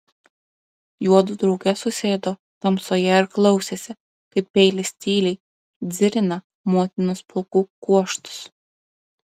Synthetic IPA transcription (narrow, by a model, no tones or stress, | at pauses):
juɔd̪ʊd̪ɾɐʊɡʲɛsʊsʲeːd̪oː | t̪ɐmsoːjɛɪɾklˠɐʊsʲeːsʲɪ | kɐɪpːʲɛɪlʲɪsʲt̪ʲiːlʲɛɪ | d̪zʲɪɾʲɪnɐ | muɔt̪ʲɪnʊsplˠʊkuːkuɔʃt̪ʊ̥s